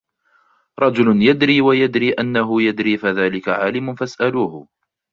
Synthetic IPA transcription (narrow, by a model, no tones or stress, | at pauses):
ɾˤɑd͡ʒʊlʊnjad̪ɾiːwajad̪ɾiːʔanːaɦʊjad̪ɾiːfaðaːlɪkaʕaːlɪmʊnfasʔaluːhʊ